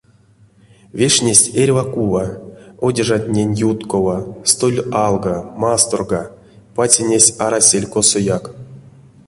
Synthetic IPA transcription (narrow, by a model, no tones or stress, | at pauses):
vʲeʂnʲesʲtʲerʲvakuvaodʲeʐat̪ʲnʲenʲjut̪kovast̪olʲɑlˠɡamast̪orɡa | pat͡sʲenʲesʲaɾasʲelʲkosojak